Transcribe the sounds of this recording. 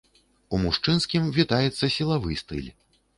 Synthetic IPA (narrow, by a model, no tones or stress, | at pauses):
umuʂt͡ʂɨnskʲimvʲit̪ajɛt̪sːɐsʲilˠavɨjst̪ɨ̰lʲ